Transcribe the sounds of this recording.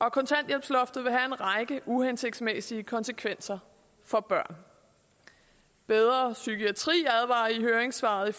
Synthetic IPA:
ʔɒ̽kʰɒ̽nt͡sʰæn̰d̥jel̰b̥slɒ̽fd̥ð̩ˠʋe̝ɦæe̝nʁɑ̈ɪɡ̥əʔuhense̝ɡ̥d̥smesiəkʰɒ̽nsəkʰʋen̰sɐ | fɒ̽b̥ɶɐ̰n | b̥eð̞ˠʁɐsykʰiæt͡sʰʁḭːæð̞ˠʋɑ̰̈iɦøːɐeŋsʋɑ̰̈ðˠi

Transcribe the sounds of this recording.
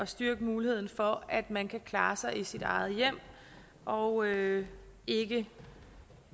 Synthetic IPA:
ɒ̽sd̥yɐɡ̥əmuːlihe̝ð̞̰ˠn̩fɒ̽æd̥mænkʰækʰlɑ̈ːsɑ̈ɪisid̥ɑ̈ɪð̞̩ˠjem̰ | ʔɒ̽ʊø | e̝ɡ̥ə

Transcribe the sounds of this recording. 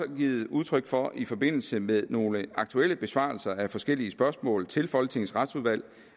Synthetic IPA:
ɒɡ̥ḭːð̩ˠuð̞ˠt͡sʰʁœɡ̥fɒ̽ifɒ̽b̥e̝n̰l̩səmeðˠno̝ːləɑ̈ɡ̥̚t͡sʰuel̰əb̥e̝sʋɑ̰̈ːlsɐæfɒ̽sɡ̥el̰iəsb̥ɶɐsmɔ̰̽ːlt͡sʰe̝lfɒ̽lɡ̥ət͡sʰe̝ŋn̩sʁɑd̥suðˠʋæl̰

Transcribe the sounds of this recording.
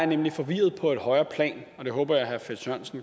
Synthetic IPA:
ɐnemlifɒ̽ʋiːɐð̩ˠpʰɒ̽e̝d̥hɒ̽ɪɐːpʰlɛ̰ːn | ɒ̽d̥e̝ɦɔ̽ːb̥ɐjɑ̈ɪɦæfe̥sœnsn̩

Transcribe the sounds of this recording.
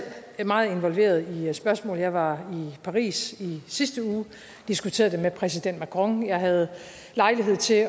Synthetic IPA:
mɑ̈ːð̞̩ˠe̝nʋɒ̽lʋe̝̰ːɐð̞̩ˠisb̥ɶɐsmɔ̰̽ːljɑ̈ɪʋɑ̈ipʰɑ̈ʁḭːsisisd̥əuː | d̥isɡ̥ut͡sʰe̝ːɐðˠd̥emepʰʁɛs̬id̥en̰d̥mækʰʁɔ̽ŋjɑ̈ɪɦæð̞̩ˠ | lɑ̈ɪliɦe̝ð̰ˠt͡sʰe̝

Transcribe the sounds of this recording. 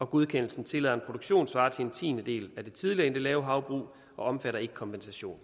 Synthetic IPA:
ɒ̽ɡ̥oð̞ˠkʰen̰l̩sn̩t͡sʰe̝lɛ̰ðˠɐe̝npʰʁo̝d̥oɡ̥ɕo̝̰ːnsʋɑ̈ːt͡sʰe̝le̝nt͡sʰḭːnəd̥e̝̰ːlæd̥e̝t͡sʰið̞ˠliɐe̝nd̥e̝lɛːʊɦɑ̈ʊb̥ʁṵː | ɒ̽ɒ̽mfæɾɐe̝ɡ̥ə̥kʰɒ̽mpʰensæɕo̝̰ːn

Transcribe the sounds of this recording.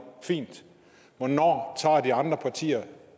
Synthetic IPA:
fḭːnd̥ | ʋɒnɒ̰ːt͡sʰɑ̰̈ːd̥iɑ̈nd̥ʁɐpʰɑ̈t͡sʰḭːɐ

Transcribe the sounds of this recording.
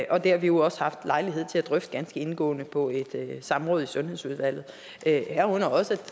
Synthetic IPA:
ʔɒ̽d̥e̝hɑ̈ʋijo̝ɒ̽səhɑ̈fd̥lɑ̈ɪliɦeð̰ˠt͡sʰe̝æd̥ʁœfd̥əɡ̥ænsɡ̥əe̝nɡ̥ɔ̰̽ːnəpʰɒ̽e̝d̥sɑ̈mʁɔ̽ːð̩ˠisɔ̽nhe̝ðˠsuð̞ˠʋæl̰ð̩ˠ | ʔøhæɐ̰ɔ̽nɐɒ̽səæ̥

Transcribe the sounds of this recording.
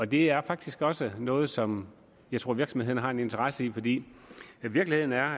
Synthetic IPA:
ɒ̽d̥e̝æɐfɑ̈ɡ̥̚d̥isɡ̥ɒ̽sənɔ̽ːð̞̩ˠsɒ̽m | jɑɪt͡sʰo̝ɐ̰ʋiɐɡ̥sɒ̽mheðˠn̩ɦɑ̈e̝ne̝nt͡sʰəʁasəifɒ̽d̥ḭːʋiɐɡ̥lihe̝ð̰ˠn̩æɐ

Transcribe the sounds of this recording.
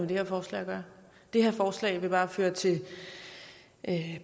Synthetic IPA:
mend̥e̝heɐfɒːslɛ̰ːɐɡ̥ɶɐ | d̥e̝heɐfɒːslɛ̰ɪʋe̝b̥ɑ̈ːføːɐt͡sʰe̝l | ʔ

